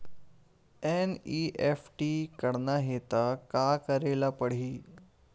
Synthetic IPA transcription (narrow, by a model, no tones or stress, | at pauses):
eniʔefʈikəɽnaɦet̪akakəɾelapəɽ̤iː